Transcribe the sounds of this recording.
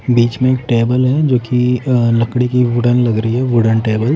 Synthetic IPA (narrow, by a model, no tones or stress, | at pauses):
biːt͡ʃmẽeːk̚ʈeːbəlɦɛd͡ʒoːkilɐkɽikiʋʊɖənlɐɡɾəɦiɦɛʋʊɖənʈeːbəl